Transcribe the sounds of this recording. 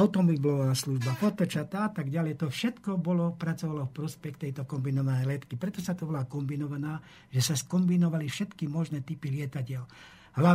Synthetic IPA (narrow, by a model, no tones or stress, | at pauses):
aʊt̪ɔmɔblɔʋaːsluʒbapɔt̪ɔt͡ʃat̪aat̪aɡɟalɛjt̪ɔfʃɛt̪kɔbɔlɔpɾat͡sɔʋalɔfpɾɔspɛxt̪ɛjt̪ɔkɔmbinɔʋanɛjlɛt̪kipɾɛt̪ɔsat̪ɔbɔlakɔmbinɔʋanaː | ʒɛsaskɔmbinɔʋalifʃɛt̪kimɔʒnɛt̪ipilɪɛt̪acɪɛl | ɦla